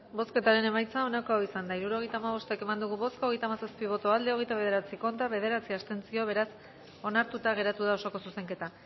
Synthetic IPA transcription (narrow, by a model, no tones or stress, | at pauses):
bo̞ske̞t̪aɾe̞ne̞majt͡sao̞nako̞aisand̪aiɾuɾo̞ɣ̞e̞jt̪aːmaβ̞o̞st̪e̞ke̞mand̪uɣuβo̞skoɣe̞jt̪aːmasaspiβ̞o̞t̪oald̪e̞o̞ɣ̞e̞jt̪aβe̞ð̞e̞ɾat͡siko̞nt̪aβ̞e̞ð̞e̞ɾat͡siast̪e̞nt͡sio̞β̞e̞ɾas | o̞naɾt̪ut̪aɣ̞e̞ɾat̪uð̞ao̞soko̞suse̞ŋke̞t̪a